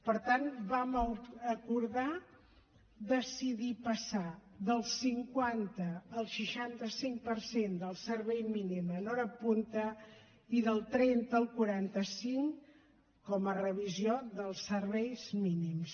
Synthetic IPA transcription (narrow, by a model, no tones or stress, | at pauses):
pəɾt̪anbaməkuɾða | ðəsiðipəsaðəlˠsiŋkwant̪əːlˠʃəʃant̪əsiŋpəɾsend̪əlˠsəɾβɛjminimənɔɾəpunt̪ə | iðəlˠt̪ɾɛnt̪əːlˠkuɾant̪əsiŋ | kɔmərəβ̞izjoðəlˠsəɾβɛjzminims